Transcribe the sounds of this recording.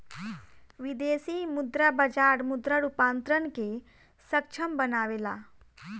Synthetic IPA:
ʋid̪eːsiːmʊd̪ɾabəd͡ʒaːɾmʊd̪ɾəɽupaːnt̪ɾənke | sək̚t͡ʃʰəmbənaːʋeːla̰ː

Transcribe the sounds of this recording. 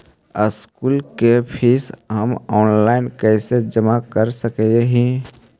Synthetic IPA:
əskuːlkepʰɪsɦəmɔːnlaːɪnkɛːsed͡ʒəmakəɾsəkɛeɦĩ

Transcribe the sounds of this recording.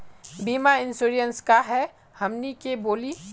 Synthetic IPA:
biːmaɪnsuːɾijənskaɦɛ | hɐmnikeboːli

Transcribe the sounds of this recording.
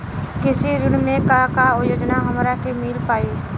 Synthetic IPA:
kɪsiɾɪɽ̃mẽkakaojoːd͡ʒnaɦəmɾakemɪlpaːi

